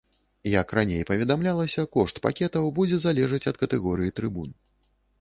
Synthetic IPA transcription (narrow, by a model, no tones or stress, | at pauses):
jɐkranʲejpɐvʲɛd̪amlʲalˠɐsʲɐkɔʂt̪pa̰kʲɛt̪ɐwbud͡zʲɛzalʲɛʐɨt͡sʲɐt̪kɐt̪ɛɣɔɾɨjit̪ɾɨbun